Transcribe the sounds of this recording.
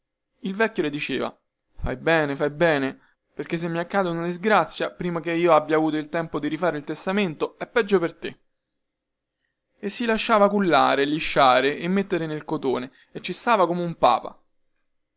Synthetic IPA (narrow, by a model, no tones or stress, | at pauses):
ilvɛkːjoled̪it͡ʃḛːva̰ | fa̰jbɛːnefajbɛːne | perkes̬ːemːiakːaːd̪eunad̪izɡɾat̪sːjapɾiːmak̟eiːoabːjaːvuːt̪oilt̪ɛmpod̪iɾifaːɾeilt̪est̪ament̪oɛpːɛd͡ʒːopert̪ḛ | esːilaʃːaːvakulːa̰ːɾeliʃːaːɾeʔemːet̪ːeɾenelkot̪oːneː | t͡ʃːist̪aːvakomeumpa̰ːpa̰